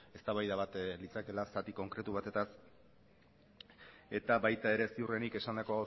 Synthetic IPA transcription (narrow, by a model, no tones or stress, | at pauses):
e̞st̪aβajðaβat̪lit͡sake̞lasat̪iko̞ŋkɾe̞t̪uβ̞at̪e̞t̪as | e̞t̪aβajt̪ae̞ɾe̞siure̞nike̞sand̪ako̞ao